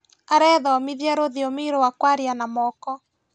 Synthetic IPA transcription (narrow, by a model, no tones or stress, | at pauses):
aɾɛðɔmiðjaɾoðɔmeɾowakwaɾianamɔːkɔ